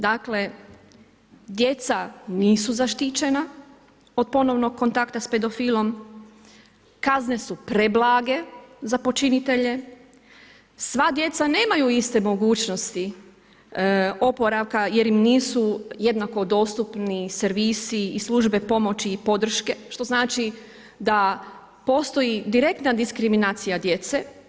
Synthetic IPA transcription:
d̪akle̞ | d̪je̞t̪saniːsuzaʃt̪it͡ɕe̞na | o̞d̪̚po̞no̞ʋno̞ɡ̚kːo̞nt̪akt̪aspe̞d̪o̞fiːlˠo̞m | kazne̞supɾeblaːɡe̞zapo̞t͡ʃinit̪e̞ʎe̞ | sʋad̪je̞t̪sane̞ːmajuist̪e̞mo̞ɡuːt͡ʃno̞st̪i | o̞po̞ɾaʋkaje̞ɾimniːsuje̞d̪nako̞d̪o̞ːst̪upniseɾʋiːsiːslˠuʒbe̞po̞mo̞t͡ɕiːpo̞d̪r̩ʃke̞ʃt̪o̞znaːt͡ʃi | d̪a | po̞ːst̪o̞jid̪iɾe̞k̚t̪nad̪iskɾiminaːt̪sijad̪je̞t̪se

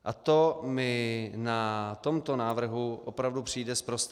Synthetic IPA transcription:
ʔat̪omɪnat̪o̞mt̪o̞naːvr̩ɦuʔopɾavdupr̝̥iːdɛspɾost̪

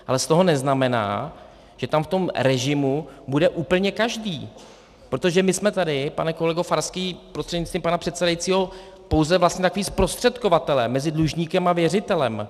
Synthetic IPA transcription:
ʔalɛst̪o̞ɦo̞nɛznamɛna̰ː | ʒ̥ɛt̪amft̪o̞mɾɛʒɪmubudɛʔuːpl̩ɲɛkaʒdiː | pɾo̞t̪o̞ʒɛmɪsmɛt̪adɪpa̰nɛkolɛɡofaɾskiːpɾost̪r̥ɛdɲɪtt͡st̪viːmpanapr̥ɛt̪sɛdajitt͡siːɦo̞ | po̞wzɛvlast̪ɲɛt̪akoviːspɾo̞st̪r̥ɛt̪kovat̪ɛlɛmːɛzɪdluʒɲiːkɛmavjɛrɪt̪ɛlɛm

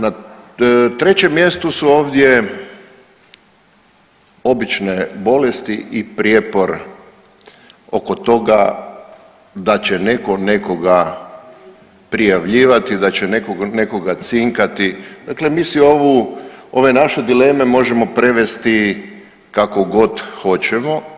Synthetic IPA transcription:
na | t̪ɾe̞t͡ɕe̞mːje̞st̪usuo̞ːʋd̪je | o̞bit͡ʃnebo̞le̞st̪iʔipɾjepo̞ɾ | o̞ko̞t̪o̞ɡa | d̪at͡ɕe̞ne̞ko̞ne̞ko̞ɡa | pɾijaʋʎiːʋat̪id̪at͡ɕene̞koɡne̞ko̞ɡat̪siŋkat̪id̪aklemiːsioʋuo̞ʋe̞naʃe̞d̪ile̞me̞mo̞ʒemo̞pɾe̞ʋe̞st̪i | kako̞ɡo̞d̪xo̞t͡ɕemo̞

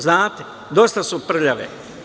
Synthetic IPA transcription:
znaːt̪e | d̪ost̪asupr̩ʎaʋḛ

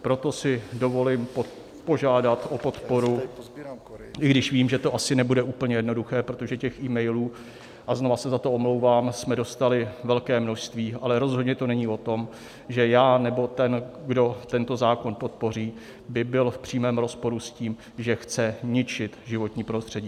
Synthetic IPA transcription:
pɾo̞t̪o̞sɪdo̞vo̞lɪm | poʒaːdat̪ʔo̞pot̪po̞ɾu | ʔɪɡdɪʃviːmʒɛt̪o̞ʔasɪnɛbudɛʔuːpl̩ɲɛjɛdno̞duxɛːpɾo̞t̪o̞ʒɛcɛxʔiːmɛjluː | ʔaznovasɛzat̪o̞omlo̞wvaːmsmɛdo̞st̪alɪvɛlkɛːmno̞ʃst̪viːʔalɛɾo̞zɦo̞dɲɛt̪o̞nɛɲiːo̞t̪o̞m | ʒɛjaːnɛbo̞t̪ɛnɡdo̞t̪ɛnt̪o̞zaːko̞npo̞t̪̚po̞r̝iː | bɪbɪlfpr̥iːmɛːmɾo̞spo̞ɾusciːm | ʒɛxt͡sɛɲɪt͡ʃɪt̪ʒɪvo̞t̪ɲiːpɾost̪r̥ɛɟiː

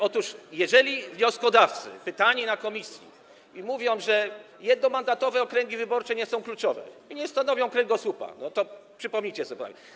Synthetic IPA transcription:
ɔt̪uʂjɛʐɛlʲivɲɔskɔd̪aft̪sɘ̰pɘt̪aɲinakɔmʲisʲjḭ | imuvʲjɔ̃w̃ʐɛ | jɛd̪̚nɔmand̪at̪ɔvɛɔkɾɛŋɡʲivɘbɔɾt͡ʂɛɲɛsɔ̃w̃klut͡ʂɔvɛ̰iɲɛst̪anɔvʲjɔ̃w̃kɾɛŋɡɔsupa̰nɔt̪ɔpʂɘpɔmɲit͡ɕɛsɔɛp̪a̰mʲɛ

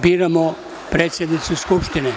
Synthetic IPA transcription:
biːɾamo | pɾeːt̪sjed̪nit̪suskupʃt̪ine

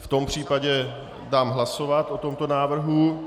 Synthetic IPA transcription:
ft̪o̞mpr̝̥iːpaɟɛ | daːmɦlaso̞vat̪ʔo̞t̪o̞mt̪o̞naːvr̩ɦu

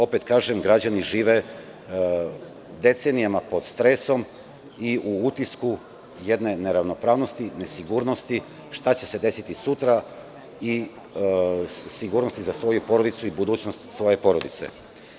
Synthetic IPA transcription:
o̞pe̞t̪kaːʒemɡɾad͡ʑaniʒiːʋe̞ | d̪e̞t̪se̞nijamapo̞d̪st̪ɾe̞so̞m | iuut̪isku | jed̪ne̞neɾaʋno̞pɾaːʋno̞st̪ine̞siɡuɾno̞st̪i | ʃt̪at͡ɕe̞se̞d̪e̞sit̪isut̪ɾa | i | siɡuːɾno̞st̪izasʋo̞jupo̞ɾod̪it̪suibud̪uːt͡ɕno̞st̪sʋo̞je̞po̞ɾo̞d̪it̪sḛ

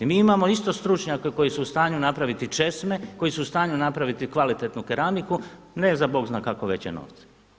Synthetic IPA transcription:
imiːimamo̞ist̪o̞st̪ɾut͡ʃɲakeko̞jisuːst̪aːɲunapɾaʋit̪it͡ʃe̞sme̞ko̞jisuust̪aːɲunapɾaʋit̪ikʋalit̪et̪nukeɾamiku | ne̞zabo̞ːɡznaːkakoʋe̞̰t͡ɕjḛno̰ːʋt̪se̥

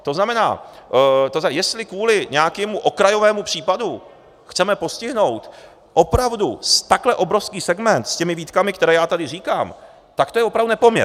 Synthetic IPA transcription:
t̪o̞znamɛna̰ː | t̪ozjɛst̪lɪkvuːlɪɲɛakɛːmuʔo̞kɾajo̞vɛːmupr̝̥iːpadu | xt͡sɛmɛpo̞scɪɦno̞wt̪ | ʔo̞pɾavdust̪aklɛʔo̞bɾofskiːsɛɡmɛnt̪scɛmɪviːt̪kamɪkt̪ɛɾɛːjaːt̪adɪriːkaːm | t̪akt̪o̞jɛvopɾavd̪unɛpomɲɛ̰

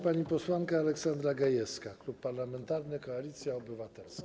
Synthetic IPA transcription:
paɲipɔswaŋkaːlɛksand̪ɾaɡajɛskaklupːaɾlamɛnt̪aɾnɘkɔalʲit̪sʲjaɔbɘvat̪ɛlsk

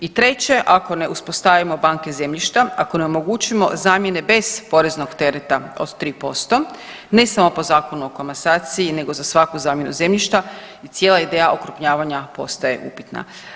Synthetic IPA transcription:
it̪ɾe̞t͡ɕe̞ʔako̞ne̞uspo̞st̪aʋimo̞baŋke̞ze̞mʎiʃt̪aako̞ne̞omo̞ɡuːt͡ɕimo̞̰zaːmjene̞be̞z̥po̞ɾe̞zno̞ɡt̪e̞ɾet̪ao̰d̪t̪ːɾiːpo̞st̪o̞ | ne̞samo̞po̞zaːko̞nuo̞komasaːt̪siine̞ɡo̞zasʋakuzaːmjenṵze̞mʎiʃt̪a | it̪sjelaid̪e̞jaʔokɾupɲaːʋaɲapo̞̰st̪aje̞̰ʔupi̥t̪na̰

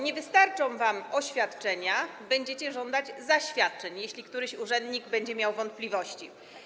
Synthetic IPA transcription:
ɲɛvɘst̪aɾt͡ʂɔ̃w̃vamɔɕfʲjat̪t͡ʂɛɲabɛɲd͡ʑet͡ɕɛʐɔnd̪ad͡ʑzaɕfʲjat̪̚t͡ʂɛɲjeɕlʲikt̪uɾɘɕuʐɛnd̪ɲiɡbɛɲd͡ʑɛmʲjawvɔnt̪̚plʲivɔɕt͡ɕi

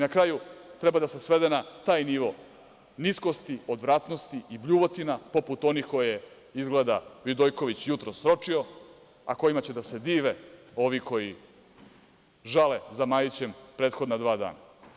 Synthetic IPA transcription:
nakɾajut̪ɾɛbad̪ase̞sʋe̞d̪enat̪aːjniʋo̞ | niskost̪io̞d̪ʋɾaːt̪no̞st̪iibʎuʋot̪inapo̞put̪o̞nixko̞jje | izɡled̪aʋid̪ojko̞ʋit͡ɕjut̪ɾosːɾo̞t͡ʂio̞ | a̰ko̞jimat͡ɕe̞d̪ase̞d̪iːʋe̞o̞ʋikʰo̞ji | ʒalezamajit͡ɕempɾeːt̪xo̞d̪nad̪ʋaːd̪a̰ːna̰

